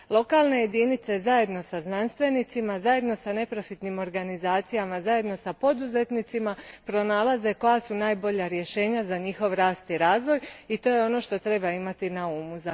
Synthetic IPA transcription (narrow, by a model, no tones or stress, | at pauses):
lˠo̞kaːlˠne̞jed̪init̪se̞zaje̞d̪no̞saznanst̪ʋe̞nit̪simazaje̞d̪no̞sane̞pɾofit̪nimo̞ɾɡanizaːt̪sijamazaje̞d̪no̞sapo̞d̪uze̞t̪nit̪simapɾo̞naːlˠaze̞ko̞jasunaːjbo̞ʎaɾje̞ʃe̞ːɲazaɲixo̞ʋɾaːst̪iɾaːzʋo̞jit̪o̞ːjeo̞no̞ʃt̪o̞t̪ɾe̞baimat̪inauːmuza